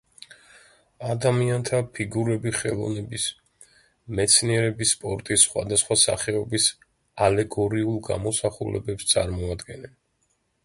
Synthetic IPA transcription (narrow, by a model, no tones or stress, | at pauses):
ad̪amiant̪ʰapʰiɡuɾɛbiχɛlˠɔ̰vnɛbis | mɛt̪sʰniɛɾɛbisːpʼɔɾt̪ʼisːχwa̰d̪asχwasa̰χɛɔbis | alɛɡɔɾiulˠɡa̰mɔsaχulɛ̰bɛpst̪sʼaɾmɔad̪ɡɛnɛn